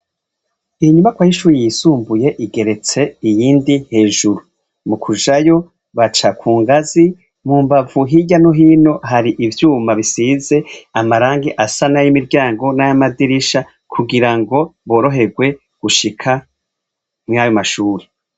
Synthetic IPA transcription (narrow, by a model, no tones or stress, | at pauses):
iiɲumakwaːjiʃuːɾijisuːmbuje̞ʔiɡe̞ɾe̞t͡se̞ijiːndihe̞ːʒuɾu | mukʰuʒajo̞ | βat͡ʃakʰuːŋɡazi | muːmbavuɦiɟanoɦiːno̞ɦaɾiʔivjuːmaβisize̞amaɾaːŋɡiʔasanajimiɾɟaːŋɡo̞najamadiɾiʃa | kʰuɡiɾaŋɡo̞βo̞ːɾo̞ɦe̞ɡwe̞ | ɡ̥uʃikʰa | mŋajo̞maʃuːɾe